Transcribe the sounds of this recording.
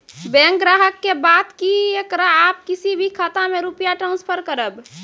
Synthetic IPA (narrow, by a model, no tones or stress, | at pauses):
bɛ̃ːŋkɡɾaːɦəkːebaːd̪kiekɾaːp̚kisibʱikʰat̪amẽɾupjaʈɾãːnspʰəɾkəɾəb